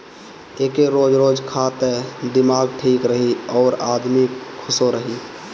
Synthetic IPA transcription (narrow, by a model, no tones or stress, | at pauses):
eːkeɾoːd͡ʒɾoːd͡ʒkʰaːt̪ed̪ɪmaːɡʈʰiːkɾəɦiɔːɾaːd̪mikʰʊsoɾəɦi